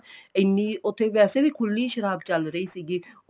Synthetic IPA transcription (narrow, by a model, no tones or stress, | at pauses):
ɪnːiːʊt̪ʰːeːʋɛːseːʋiːkʰʊlːiːʃəɾaːbt͡ʃəlɾəiːsiːɡiː